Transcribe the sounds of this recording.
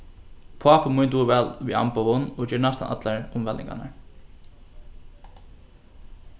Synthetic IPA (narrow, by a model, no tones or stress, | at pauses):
pʰʊaːpəmʊjnt̪uːʋɛːlviːa̰mpaʋʊnɔd͡ʒɛːɹnast̪a̰nʔa̰t̪laɹʊmvɛlnɪ̰ŋɡa̰na̰ɹ